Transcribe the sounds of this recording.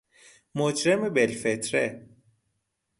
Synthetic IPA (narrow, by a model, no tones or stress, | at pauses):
mod͡ʒɾemebelfet̪ʰɾe